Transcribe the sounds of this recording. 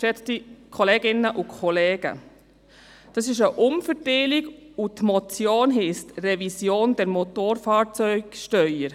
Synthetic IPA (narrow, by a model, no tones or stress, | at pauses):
ɛt͡st̪ikʰɔleːɡɪnːəʔukʰɔleːɡ̥ə̰ | d̥ɑsɪʃ̬əʔʊmfəɾteːlɪɡ | utmɔt͡sjoːnɦɪstrɛvisjoːnd̥ɛɾmot̪oːɾfɑːɾt͡sœʏɡ̥ʃtœʏəɾ